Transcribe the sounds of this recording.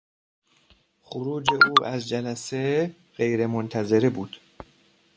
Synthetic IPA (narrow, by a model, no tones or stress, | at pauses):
xoɾuːd͡ʒe̞ʔuːʔæzd͡ʒælæse | ɣejɾe̞mont̪ʰæzeɾebuːd̪̥